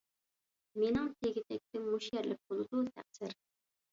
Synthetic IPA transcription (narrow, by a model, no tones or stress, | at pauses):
menɪŋt̪ʰeɡʲɪt̪ʰɛk̚ʲt̪ɪmuʃjɛɾlɪk̚bolˠɨd̪ut̪ʰæ̰χsɪɾ